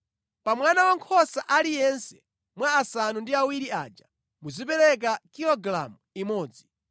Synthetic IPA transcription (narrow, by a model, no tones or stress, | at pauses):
pamwanawaŋkʰɔsaʔalijɛnsɛ̥ | mwaːsanundiawiɾiaːd͡ʒa | muzipɛɾɛk̬akilɔɡɾa̰muimɔːd͡zi